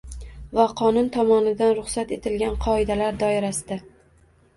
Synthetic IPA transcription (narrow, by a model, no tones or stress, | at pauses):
vaqʰɒnʊnt̪ʰɒmɒnɪd̪anɾʊχsat̪e̞t̪ʰɪlɡʲanqʰɒɪd̪alaɾd̪ɒɪɾasɪd̪a